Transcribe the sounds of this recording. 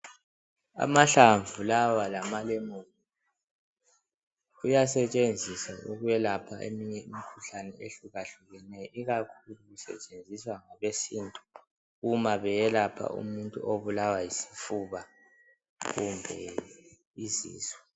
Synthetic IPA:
a̰maɬaɱvulawalamalɛmoːli | ɣujasɛt͡ʃʼend͡zʱisaʔuɣujɛlapʰa̰ʔḛmiɲɛimikʰuɬanɛeɬuɣaɬuɣɛnɛjɔiɣakʰuluɣusɛ̰t͡ʃʼend͡zʱiswaŋaβesiːntʼu̥ | ɣumaβɛjɛlapʰa̰ṵmuntʼṵʔoβulawajisi̥fuβa | ɣumbʱɛ | izḭːzwɛ

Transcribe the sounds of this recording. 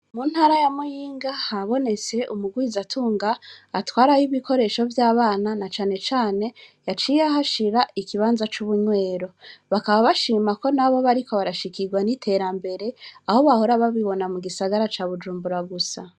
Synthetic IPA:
mun̥haːɾajamujiːŋɡahaβo̞ne̞t͡se̞ʔumuɡwizatʰuːŋɡaːtwaːɾajiβiko̞ɾe̞ːʃo̞vjaːβaːnanat͡ʃaːne̞t͡ʃaːne̞jat͡ʃijaɦaʃiɾaikiβaːnzat͡ʃuβuɲwe̞ːɾo̞βakaβaβaʃiːmako̞naβo̞βaɾikʰo̞βaɾaʃikiɡwanitʰe̞ɾambe̞ɾe̞aho̞βaho̞ɾaβaβiβo̞namuɡisaɡaɾat͡ʃaβud͡ʒuːmbuɾaɡusa

